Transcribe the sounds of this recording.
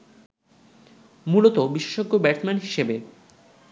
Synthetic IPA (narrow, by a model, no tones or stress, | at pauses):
mulot̪obiʃeʃoɡːobɛɾt̪manɦiʃebe